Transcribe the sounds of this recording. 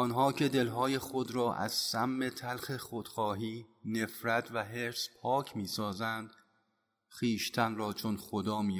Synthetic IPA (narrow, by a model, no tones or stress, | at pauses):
ɒːnɦɒːcʰe̞d̪e̞lɦɒːje̞xod̪ɾɒːʔæ̰z̥sæmːet̪ʰælxexod̪̥xɒːɦiːne̞fɾæt̪ʰvæɦe̞ɾspʰɒːcʰmiːsɒːzænd̪̥ | xiːʃt̪ʰænrɒːt͡ʃʰonxod̪ɒːmiː